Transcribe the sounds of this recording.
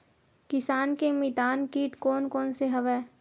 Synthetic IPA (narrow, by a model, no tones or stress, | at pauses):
kɪsaːnkemit̪aːnkiːʈkoːnkoːnseɦɐʋɛː